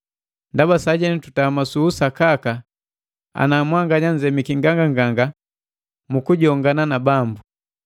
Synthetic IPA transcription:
ndabasaɟɛnitu̥tamasuːsakaka | a̰namwaŋɡaɲaɲd͡ʒɛmikiŋɡaŋɡaŋɡaŋɡa | mukuɟɔŋɡananabambu

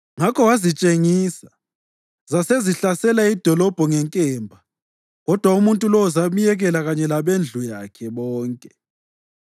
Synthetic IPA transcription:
ŋakʰɔwazit͡ʃʼeŋiːsa | zaseziɬasɛlaid̥ʱɔlɔb̥ʱɔŋɛŋkʼɛːmbʱa | ɣɔd̥ʱwaumuntʼulɔwɔzamijɛɣɛlaɣaɲɛlaβend͡ɮʱujakʰɛβɔːŋkʼɛ̥

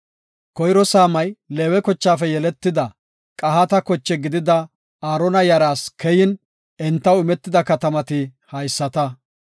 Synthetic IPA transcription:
kɔjɾɔsaːmɐjleːwɛkɔt͡ʃːaːfɛjɛlɛt̪ːɪd̪ɐ | kʼɐɦat̪ɐkɔt͡ʃːɛɡɪd̪ɪd̪ɐ | aːɾɔnɐjɐɾaːskʰɛjɪn | ɛnt̪ːɐwɪmɛt̪ːɪd̪ɐkɐt̪ɐmɐt̪ɪhɐjsːɐt̪ɐ

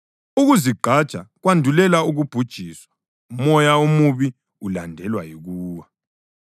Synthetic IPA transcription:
uɣuziɡ͡ǃʱad̥t͡ʃʼaɣwandʱulɛlauɣub̥ʱud̥ʒ̥ʱiswḁ | mɔjaumuβi | ulandʱɛlwajiɣuːwa

